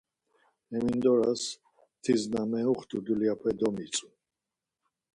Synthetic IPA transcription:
ɛmind̪ɔɾas | t̪ʰiznamɛuχt̪ʼud̪uliapʰɛd̪ɔmit͡sʼu

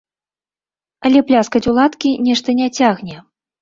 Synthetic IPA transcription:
ɐlʲɛplʲaskɐt͡sʲulˠat̪kʲinʲɛʂt̪ɐnʲat͡sʲaɣnʲɛ

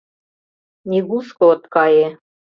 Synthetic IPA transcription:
nʲiɣuskoŏt̪kɑje

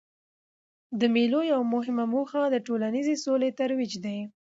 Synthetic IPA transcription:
d̪əmilojawmʊɦɪmamoxad̪əʈolanizesolet̪aɾwid͡ʒd̪aj

